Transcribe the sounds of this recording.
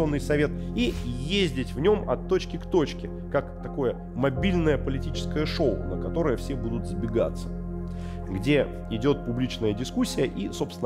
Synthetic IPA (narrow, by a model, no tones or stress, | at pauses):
o̞nːɨjsɐvʲe̞t̪̚ | ijezʲdʲɪtʲvnʲo̞mɐ̰t̪ːot͡ɕkʲɪkt̪o̞t͡ɕkʲɪ | kakt̪ɐko̞jə | mɐbʲilʲnəjəpəlʲɪtʲit͡ɕɪ̥skəjəʂo̞ʊ̰nəkɐt̪o̞ɾəjəfsʲe̞bud̪ʊt̪zbʲɪɡa̰t̪sːə̥ | ɡdʲe̞ | ɪdʲo̞t̪̚pʊblʲit͡ɕnəjədʲɪskusʲːɪjəʔiso̞pst̪vɪn